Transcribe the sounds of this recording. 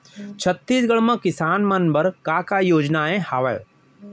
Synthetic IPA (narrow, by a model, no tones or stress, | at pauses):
t͡ʃʰət̪ːiːsɡəɭmãkɪsaːnmənbəɾkaːkaːjoːd͡ʒnaːẽhaːʋəjo̰